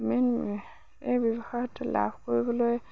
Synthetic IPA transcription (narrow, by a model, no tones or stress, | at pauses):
men | ejbɔbɔxɔjɔtla̰bʱkoɹibɔloj